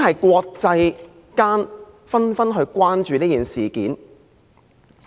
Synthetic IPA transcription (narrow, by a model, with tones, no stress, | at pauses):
hɐ˨jkʷɔː˧k̚t͡sɐ˧j | kaː˥n | fɐ˥nfɐ˥nɦɵ˧ɥkʷaː˥nt͡ʃyː˨˧niː˥jiː˨nsiː˨˩kiː˨˥n